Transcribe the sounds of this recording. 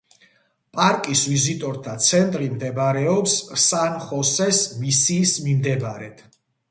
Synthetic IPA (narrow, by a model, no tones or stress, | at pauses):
pʼaɾkʼisvizit̪ʼɔɾt̪ʰat̪sʰɛnt̪ʼɾimd̪ɛbaɾɛɔpssanχɔsɛsmisiːsmimd̪ɛbaɾɛt̪ʰ